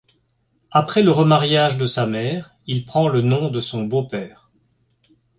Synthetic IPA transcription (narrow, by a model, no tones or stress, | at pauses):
apχɛləʁəmaʁjaʒd̪əsamɛːʁ | ilpχɑ̃lənɔ̃d̪əsɔ̃bopɛːʁ